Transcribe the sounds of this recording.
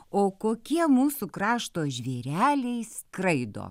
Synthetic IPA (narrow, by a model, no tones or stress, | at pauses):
oːkoːkʲiɛmuːsukɾɑːʃt̪oːʒʲʋʲeːɾʲæːlʲɛɪskɾɐɪd̪o̰ː